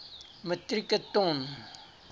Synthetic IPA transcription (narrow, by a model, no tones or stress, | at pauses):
mət̪rikət̪oŋn